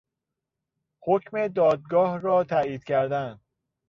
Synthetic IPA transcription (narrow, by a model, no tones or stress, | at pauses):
hocʰme̞d̪ɒːd̪̚ɡɒːhɾɒːt̪ʰæiːd̪̥̚cʰæɾd̪æn